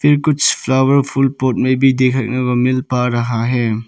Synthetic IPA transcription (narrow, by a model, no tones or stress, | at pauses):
pʰiɾkuspʰlawɐɾpʰulpot̚mebidekʰɐk̚nɐɡɔmilpaɾɐɦaɦe